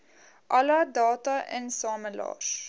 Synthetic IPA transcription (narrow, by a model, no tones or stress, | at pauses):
ʔɐlɐdɑːtɐʔɛ̰nsɑːməlɑ̰ːr